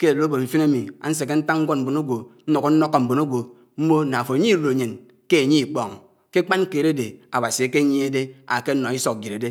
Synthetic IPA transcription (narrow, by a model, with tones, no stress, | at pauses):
ke˦a˨lo˦bo˨ɱ̩˨fi˦na˦mi˨a̰˨n̩˦s̬e˨k̬e˦n̩˦ta˦ŋ̩˦ɡʷo˦m̩˨bo˨no˦ɡʷo˨n̩˦no˨ko˦n̩˦no˦kːɔ˦˨m̩˨bo˨no˦ɡʷo˨ | m̩˦mo˦na˨fo˨˦ɲi˦˨ɾo˨ɲɨ˨n | ke˦e˨ɲi˦˨k͡pɔ˨ŋ | ke˦k͡pa˦n̩˦ke˨ɾe˦de˨a˨wa˨si˨a˨ke˦ɲi˦e˦de˦a˨ke˦no˨ŋi˦so˨k̚ɡi˨ɾe˨de˦